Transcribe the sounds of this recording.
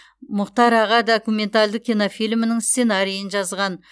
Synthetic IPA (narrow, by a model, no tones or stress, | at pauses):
mʊqt̪ɑɾɑʁɑd̪okumʲe̞nt̪ald̪əkʲinofijlʲmɪnɪŋst̪se̞nɑɾijənʒɑzʁɑn